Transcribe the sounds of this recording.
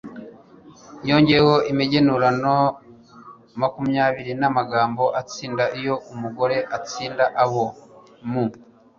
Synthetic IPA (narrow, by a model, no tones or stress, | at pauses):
jo̞ːɲɟeehoimiɟenuɾano | makumjaːβiɾinamaɡaːmbo̞ʔat͡siːndaʔijo̞ʔumuɡo̞ɾe̞ʔat͡siːndaʔaβo | mu